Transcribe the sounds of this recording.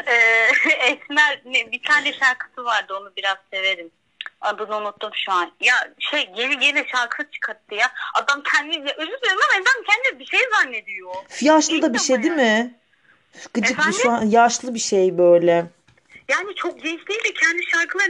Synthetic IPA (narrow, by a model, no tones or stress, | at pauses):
ɛːɛsmæɾnɛbit̪ʰaːnɛʃaɾkʰɯ̥sɯvaɾd̪ɯo̞nubiɾazse̞ve̞ɾim | ad̪ɯnonˠut̪ːumʃuanjaʃejɟeniɟenɛʃaɾkʰɯɯt͡ʃʰɯ̥kʰat̪ʰːɯjaad̪amcʰɛnd̪ijaʔøzysøɾmamed̪amcʰɛnd̪ibiʃejzanːe̞d̪ijofijaʃlˠɯd̪abiʃejd̪imɪ | ɡɯd͡ʒɯkusajaʃlˠɯbiʃejbøjlʲɛ | jaːnit͡ʃʰok̚ɟejiʃlʲiːlʲɛcʰɛnd̪iʃaɾkʰɯlˠa